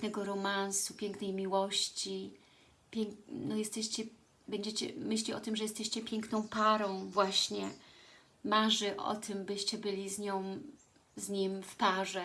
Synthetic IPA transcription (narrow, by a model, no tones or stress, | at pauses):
nɛɡɔɾɔmansupʲjɛŋknɛjmʲiwɔɕt͡ɕi | pʲɛŋnɔjɛst̪ɛɕt͡ɕɛ | bɛɲd͡ʑɛt͡ɕɛ̰mɘɕ̬lʲiɔt̪ɘmʐɛjɛst̪ɛɕt͡ɕɛpʲjɛŋknɔ̃w̃paɾɔ̃w̃vwaɕɲɛ | maʐɘʔɔ̰t̪ʰɘmbɘɕt͡ɕɛbɘlʲizɲɔ̃w̃ | zɲimfpaʐɛ